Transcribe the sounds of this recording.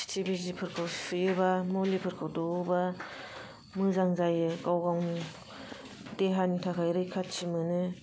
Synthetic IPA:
tʰibizipʰɯɾkʰawsɯjɯbamolipʰɯɾkʰawdoba | mɯzaŋzajkawɡaŋ | deɦanitʰakʰajɾɯjkʰatt͡ʃimɯnɯ

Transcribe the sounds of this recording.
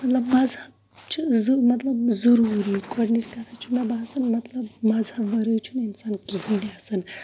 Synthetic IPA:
mɐt̪lɐbmɐzhɐb | t͡ʃʰizmɐt̪lɐbzɐɾuːɾikoɖniʈkɐɾʰat͡ʃʰumɐbaːsɐnmɐt̪lɐbmɐzhɐbːɐɾət͡ʃʰuninsaːnkiɦĩd̪iasɨn

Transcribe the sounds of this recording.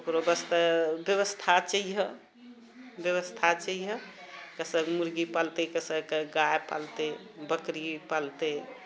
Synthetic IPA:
okɾobəst̪əbjəβəst̪ʰat͡ʃəiɦə | bjəβəst̪ʰat͡ʃəiɦəkəsəkmuɾɡipalt̪ekəsəkɡajpa̰lt̪ebəkɾipalt̪e

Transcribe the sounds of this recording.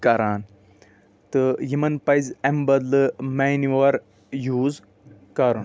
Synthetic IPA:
kɐɾaːn | t̪ɨjimɐnpɐjzembɐd̪lɨmeniʋɐɾ | juːz | kɐɾun

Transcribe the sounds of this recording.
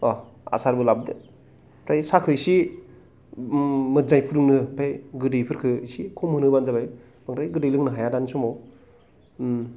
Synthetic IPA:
ɔ | a̰saɾbɯlab̚dɯ | pʰɾajsakʰɯsi | mɯzajpʰuɾɯŋnɯpʰajɡɯdɯjpʰɯɾkʰɯisikʰɔmhɯnɯbanzabaj | b̥aŋɾajɡɯdɯjlɯŋnɯɦajadanisɔmɔw

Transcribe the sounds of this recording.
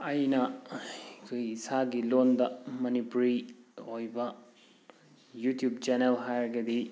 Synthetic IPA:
ɐjnɐ | kʰojisaɡilondɐmɐnipuɾiojbɐ | jutjub̚t͡ʃenelɦajɡɐdi

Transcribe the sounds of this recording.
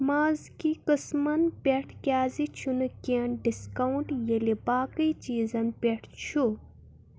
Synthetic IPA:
maːzkikəsmɐnpʲeʈʰkʲjaːzit͡ʃʰunukeɳɖiskɐwuɳʈjelibaːkɨjt͡ʃiːzɐnpʲeʈʰt͡ʃʰu

